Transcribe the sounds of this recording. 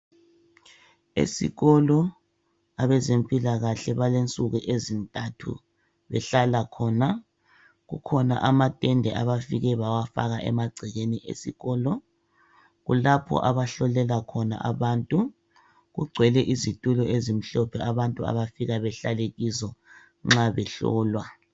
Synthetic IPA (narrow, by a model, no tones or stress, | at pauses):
ḛsḭɣɔlɔ | aβɛzempʼilaɣaɬɛβalent͡sʼuɣuʔezintʼatʰṵ | βɛɬalakʰɔna | ɣṵkʰɔna̰ʔamatʼɛndʱɛʔaβafiɣɛβawafa̰ɣaʔɛ̰maɡ͡ǀʱiɣeniʔḛsḭɣɔːlɔ | ɣulapʰɔ̰ʔaβaɬɔlɛlakʰɔna̰ʔaβantʼu | ɣuɡ͡ǀʱwɛlɛʔizitʼulɔezim̩ɬɔpʰɛaβantʼua̰βafiɣaβɛɬaleɣisɔ | ŋ͡ǁaβɛɬɔ̰ːlwa